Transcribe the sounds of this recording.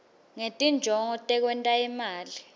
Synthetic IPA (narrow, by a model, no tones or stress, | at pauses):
ŋetʼind͡ʒʱɔŋɔtʼɛk̬wɛntʼaimaːli